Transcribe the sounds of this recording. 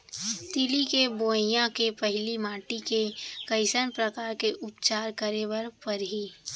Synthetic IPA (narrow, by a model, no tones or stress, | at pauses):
t̪ɪlikeboːɪjãkepɛɦɪlimaːʈikekəɪsənpɾəkaːɾkeʔʊpt͡ʃaːɾkəɾeʋəɾpɐɾɦi